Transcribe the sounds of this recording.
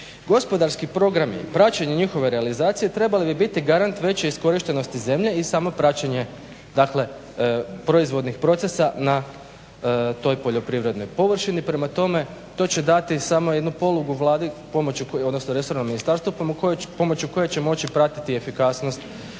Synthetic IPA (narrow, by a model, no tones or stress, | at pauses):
ɡo̞spo̞d̪aɾskipɾo̞ɡɾamḭpɾat͡ɕeɲeɲixo̞ʋe̞ɾealizaːt̪sije̞t̪ɾe̞balibibit̪iɡaɾant̪ʋe̞t͡ɕeisko̞ɾiʃt̪e̞no̞st̪ize̞mʎe̞isamo̞pɾat͡ɕeɲe̞ | d̪akle̞ | pɾoizʋo̞d̪nixpɾo̞t̪se̞sana | t̪o̞jpo̞ʎopɾiʋɾe̞d̪no̞jpo̞ʋr̩ʃinipɾe̞mat̪o̞me̞t̪o̞t͡ɕe̞d̪at̪isamoje̞d̪nupo̞lˠuɡuʋlˠaːd̪ipo̞mot͡ɕuod̪no̞snoɾe̞so̞ɾnomːinist̪aːɾst̪ʋupo̞mo̞t͡ɕjuko̞jet͡ɕe̞mo̞t͡ɕipɾat̪i̥t̪ie̞fikaːsno̞st̪